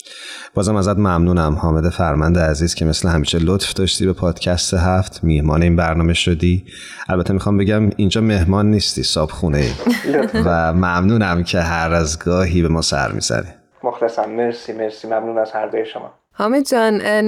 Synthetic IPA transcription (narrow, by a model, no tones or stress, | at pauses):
b̥ɒːzæmæzæd̪mæmnuːnæmhɒːme̞d̪efæɾmænd̪eæziːzcʲʰe̞me̞slehæmiːʃelot̪fd̪ɒːʃt̪iːbe̞pʰɒːd̪̥cʰæst̪eɦæft̪ʰmihmɒːneiːnbæɾnɒːme̞ʃod̪iː | ʔælbæt̪ʰːemixɒːmbeɟæmind͡ʒɒːme̞hmɒːnːiːst̪ḭːsɒːb̥xuneḭːvæmæmnuːnæmcʰe̞ɦæɾæzɡɒːɦiːbe̞mɒːsæ̰ɾmḭːz̥æ̰nḭ | moxt̪æsænːeɾsimeɾsiːmæmnuːnæzhæɾd̪ɒːjeʃomɒ̰ː | hɒːmed̪d͡ʒɒn